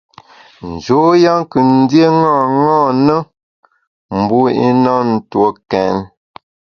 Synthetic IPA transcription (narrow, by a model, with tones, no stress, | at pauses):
n̩˨d͡ʒo˨˦ja˦ŋ˦kɨ˨n̩˦dje˦ŋɔ˦˨ŋɔ˦˨nə˦ | m̩˨bu˦ḭ˦nɔ˦n̩˨two˨kɛ˨n